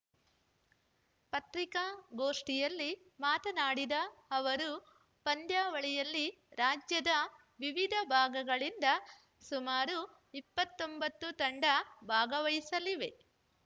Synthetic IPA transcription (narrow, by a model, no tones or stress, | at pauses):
pɐt̪ɾikaɡo̞ːʂʈijɐlːi | maːt̪ɐnaːɽid̪ɐɐʋɐɾu | pɐnd̪jaːʋɐɭɛjɐlːi | ɾaːd͡ʒjɐd̪ɐ | ʋiʋid̪ʱɐbʱaːɡɐɡɐɭind̪ɐ | sumaːɾu | ipːɐt̪ːo̞mbɐt̪ːut̪ɐɳɖɐbʱaːɡɐʋɐjisɐliʋe̞